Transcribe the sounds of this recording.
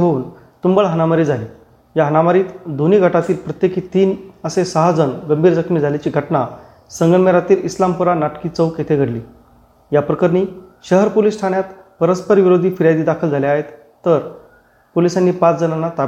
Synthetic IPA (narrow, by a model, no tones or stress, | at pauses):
ɦouːn | t̪umbəɭɦənamaɾiːd͡zʱaliː | jaɦənamaɾiːt̪d̪oniːɡʱəʈat̪iːlpɾət̪jekiːt̪iːnəsesaɦad͡zənɡəmbʱiːɾd͡zəkʰmiːd͡zʱalat͡ɕiːɡʱəʈna | səŋɡəɳmeɾat̪iːlislampuɾanaʈkiːt͡səwket̪ʰeɡʱəɽliː | japɾəkəɾniːɕəɦəɾpoliːsʈʰanjat̪pəɾəspəɾʋiɾod̪ʱiːfiɾjad̪iːd̪akʰəld͡zʱaleaɦet̪ː | əɾ | polisanːiːpat͡sd͡zənanːat̪a